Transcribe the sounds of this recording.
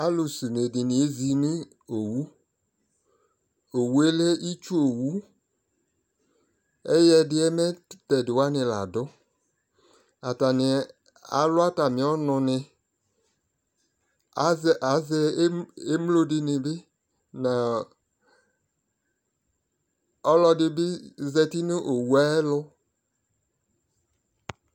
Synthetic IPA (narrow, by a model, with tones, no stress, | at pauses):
a˦lʊ˨su˨ne˨dɪ˨nɪ̃˨e˦zi˨nɪ̃˦ | o˨wu˦ | o˨wu˦e˦lɛ˦ʔi˦t͡ʃu˦o˨wu˦ | ɛ˦jɛ˦dɪ˦ɛ˦mɛ̃˦tɛ˨dɪ˨wa˦nɪ̃˨la̰˨dʊ˦ | a˨ta˨nɪ˨˦ | a̰˨lʊ˦a˦ta˨mɪ̃˨ɔ˦nʊ̃˨nɪ˨˦˨ | ʔa˨˦zɛ˦e˦m˦lo˦dɪ˦nɪ˨bɪ˦ | nã˨ | ɔ˦lɔ˦dɪ˦bɪ˦zɛ˨ti˦nɪ˦ʔo˨wu˦a˦ɛ˦lʊ˦